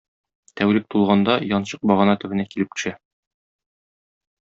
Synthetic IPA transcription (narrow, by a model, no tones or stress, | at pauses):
t̪æwɾɘk̚t̪ulˠʁɑnd̪ɑjɒnɕɤq̚bɒʁɤ̆nɑt̪ɵ̆bɘ̆nækilɘp̚t̪ɵ̥̆ʃæ